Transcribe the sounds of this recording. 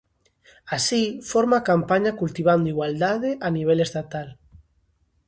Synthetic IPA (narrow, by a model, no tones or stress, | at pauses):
asifoɾmakampaɲakult̪iβ̞and̪oiɣwald̪aðeʔaniβ̞elest̪at̪al